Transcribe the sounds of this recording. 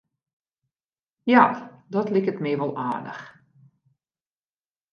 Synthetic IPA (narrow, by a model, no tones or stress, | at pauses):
jadɔtlɪkətmɛːʋɔlˠʔaːdə̰x